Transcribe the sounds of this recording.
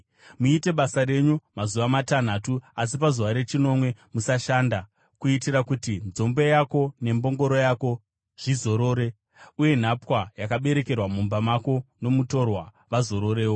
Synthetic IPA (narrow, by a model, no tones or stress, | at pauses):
muite̞ɓasaɾe̞ɲumazuʋamatan̤atuas̬ipazuʋaɾe̞t͡ʃino̞mwe̞musaʃaːnda | kuitiɾakutind͡zo̞mbe̞jako̞ne̞mbo̞ŋɡo̞ɾo̞jako̞ | ʐ̥izo̞ɾo̞ːɾe̞ | uje̞n̤apwajakaɓe̞ɾe̞ke̞rwamumbamako̞no̞muto̞rwa | ʋazo̞ɾo̞ɾe̞ːwo̞